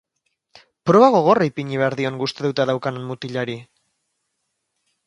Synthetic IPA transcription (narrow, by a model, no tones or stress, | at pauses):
pɾo̞βaɣ̞o̞ɣ̞o̞raipiɲiβeaɾðio̞ŋɡust̪eðut̪aðawkanenmut̪iʎaɾi